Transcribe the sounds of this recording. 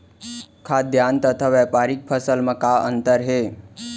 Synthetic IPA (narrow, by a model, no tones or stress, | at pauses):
kʰad̪ʱjant̪ət̪ʰaʋɛpaɾik̚pʰəsəlməkaə̰nt̪əɾɦe